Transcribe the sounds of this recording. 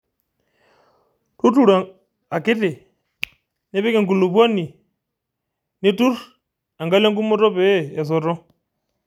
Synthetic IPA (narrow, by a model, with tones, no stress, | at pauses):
tu˦tu˨ɾa˨ | a˨ke˦te˨ | ne˦βe˦ke˨ŋɡu˨lu˨pa˦ni˨ | ne˦tu˦r | a˨ŋɡa˦la˦ŋɡu˦mɔ˦tɔ˦pɛː˦˨sɔ˨ɾɔ˦